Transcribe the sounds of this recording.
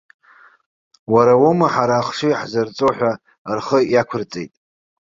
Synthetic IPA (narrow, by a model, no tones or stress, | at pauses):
waɾawomaħaɾaːχʂiħzart͡sʼoħʷᶣa | rχəjakʷʰʊrt͡sʼḛjtʼ